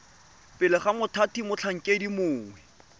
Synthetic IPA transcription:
pʼɪlɪχamʊtʰatimʊt͡ɬʰaŋ̩kʼedimʊːŋwɛ

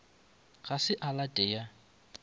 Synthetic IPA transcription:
ɣasɪʔalatʼeja

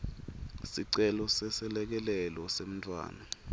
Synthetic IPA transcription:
siǀɛlɔsɛsɛlɛk̬ɛlɛlɔsem̩ntʼwa̰ːna

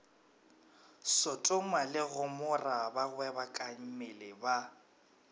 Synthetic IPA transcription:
sʊtʼʊmalɪɣʊmʊrabaɣwɛbakʼaŋ̩mɪlɪba

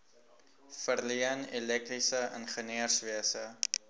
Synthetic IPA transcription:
fərliənelɛk̚trisəə̰nχəniərsviəsə

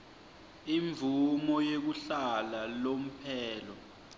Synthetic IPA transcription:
iɱb̪vʱumɔjek̬uɬalalom̩pʰɛːlɔ

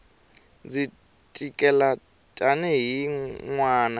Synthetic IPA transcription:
d͡zi | tʼikʼɛla | tʼanɛɦiŋwaːna

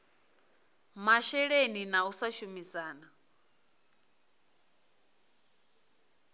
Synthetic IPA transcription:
maʃɛɺeninausaʃumizaːna

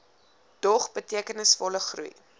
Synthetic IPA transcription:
d̥ɔχbətiəkənəsfɔləχrṵi

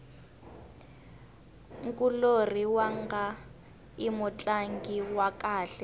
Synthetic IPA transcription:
ŋ̩kʼuloriwaŋɡa | imʊt͡ɬʼaŋɡiwakʼaːɬɛ

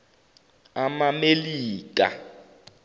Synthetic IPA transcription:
amameliːk̬ʼa̰

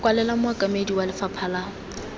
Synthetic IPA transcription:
kʼwalɛlamʊakʼamediwalɪfapʰala

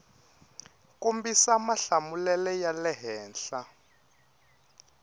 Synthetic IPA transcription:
kombisamaɬamulɛlɛjalɛɦɛːnɬa

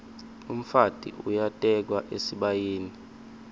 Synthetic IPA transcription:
um̩fatʼḭʔujatʼɛk̬waʔesiɓajiːni

